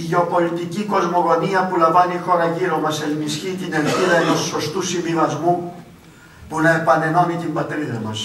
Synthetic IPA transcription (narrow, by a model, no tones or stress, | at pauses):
iʝeo̞po̞lit̪iciko̞zmo̞ɣo̞niɐpulɐɱvɐnixo̞ɾɐʝiɾo̞mɐse̞lmisçit̪inelθiðɐet̪uso̞st̪usimivɐzmu | punɐe̞pɐne̞no̞nit̪imbɐt̪ɾiðɐmɐs